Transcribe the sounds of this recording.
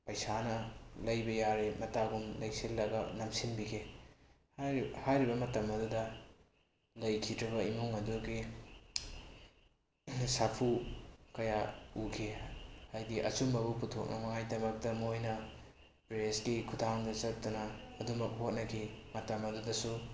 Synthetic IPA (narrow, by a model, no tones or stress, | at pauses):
pɐjsanɐlɐjbɐjaɾemɐtaɡumlɐjsilːɐɡɐnɐmsinbikʰe | hajɾibɐmɐtɐmɐdudɐ | lɐjkʰidɾɐbɐimuŋɐduɡi | sapʰukɐjaukʰehajdiʔɐ̰t͡ʃumɐbuputʰok̚nʔɐmɐŋajdɐmɐk̚tɐmojnɐ | pɾesɡikʰudʰaŋdɐt͡ʃɐk̚tɐnɐːdumɐk̚ɦot̚nɐkʰimɐtɐmɐdudɐsu